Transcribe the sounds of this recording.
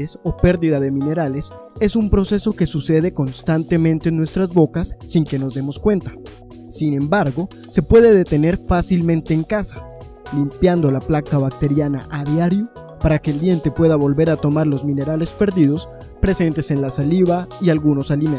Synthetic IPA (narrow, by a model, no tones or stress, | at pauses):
eso̞pe̞ɾðiðaðe̞mĩne̞ɾale̞s | e̞sumpɾo̞se̞so̞ke̞suse̞ð̞e̞konst̪ant̪e̞mẽnt̪e̞nwe̞st̪ɾazβo̞kasːiŋke̞no̞zðd̪e̞mo̞skwe̞nt̪ḁ | sinẽ̞mbaɾɣo̞ | se̞pwe̞ðe̞ðe̞t̪e̞ne̞ɾfasilmẽnt̪e̞ːŋkasḁ | limpjand̪o̞laplakaβak̚t̪e̞ɾjana̰ʔaðjaɾjo | paɾake̞ːld̪je̞nt̪e̞pwe̞ðaβo̞lβe̞ɾat̪o̞maɾlo̞zmĩne̞ɾale̞spe̞ɾðiðo̞s | pɾe̞se̞nt̪e̞se̞nlasaliβaialɣuno̞salim